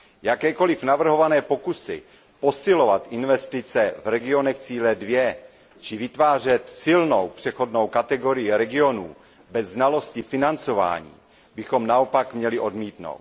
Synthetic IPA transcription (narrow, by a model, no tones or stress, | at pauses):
jakɛːko̞lɪfnavr̩ɦo̞vanɛːpo̞kusɪ̰ | po̞sɪlo̞vat̪ʔɪnvɛst̪ɪt͡sɛvɾɛɡɪo̞nɛxt͡siːlɛdvjɛ | t͡ʃɪvɪt̪vaːr̝ɛt̪sɪlnowpr̝̥ɛxo̞dno̞wkat̪ɛɡo̞ɾɪjɪɾɛɡɪo̞nuː | bɛzːnalo̞scɪfɪnant͡so̞va̰ːɲḭː | bɪxo̞mnaopakmɲɛlɪʔo̞dmiːt̪no̰wt̪